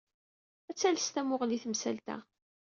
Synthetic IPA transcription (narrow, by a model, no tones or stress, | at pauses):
æt͡sːælst̪æmʊʁliθəmsælt̪æ̰